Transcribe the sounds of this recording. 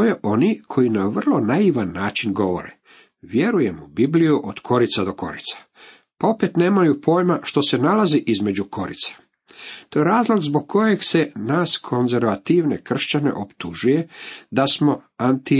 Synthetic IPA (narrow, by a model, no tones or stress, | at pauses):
t̪ojeʔo̞nikʰo̞jinaʋr̩lˠo̞najiʋanːaːt͡ʃinɡo̞ʋo̰ɾḛ | ʋje̞ɾuje̞mubiblijuʔod̪̥kʰo̞ɾit̪sad̪o̞ko̞̰ɾit̪sḁ | pao̞pet̪ne̞ːmajupʰo̞ːjmaʃt̪o̞se̞nalaziʔizme̞d͡ʑukʰo̞ɾḭt̪sḁ | t̪o̞jeɾaːzlˠo̞ɡzbo̞ɡ̚kʰːo̞je̞ɡse̞naːskʰo̞nze̞ɾʋat̪iʋne̞kr̩ʃt͡ɕane̞̰ʔopt̪uʒuje̞d̪asmo̞ | ant̪i